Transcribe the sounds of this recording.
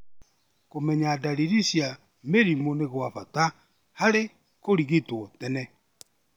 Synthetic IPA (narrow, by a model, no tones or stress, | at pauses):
komɛɲaːdaɾiɾisja | meɾimoneɣwafata | haɾe | koɾiɣitwɔtɛnɛ